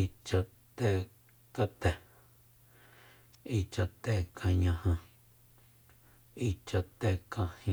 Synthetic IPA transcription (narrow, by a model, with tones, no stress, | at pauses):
i˧˨t͡ʃa˧ʔ | t̪ɛ˧ | ka˧t̪ɛ˧˨ | i˧t͡ʃa˧ʔt̪ɛ˧˨kʰã˧ɲã˧hã˧ | i˧t͡ʃa˧t̪ɛ˧˨kã˧hĩ˧